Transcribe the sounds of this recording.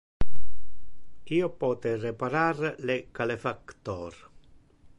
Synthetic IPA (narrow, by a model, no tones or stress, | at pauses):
iːopɔːt̪erepaɾarlekalefakt̪ɔːɾ